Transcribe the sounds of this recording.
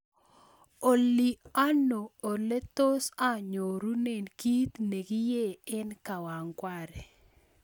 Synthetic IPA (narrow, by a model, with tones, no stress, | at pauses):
o˨li˨a˦noː˨le˦t̪o˦sa˦˨ɲo˨ɾu˦ne˨nki˦t̪ne˨ɡi˦je˦˨ɪ˦nka˨wa˨ŋkwa˦ɾɛ˨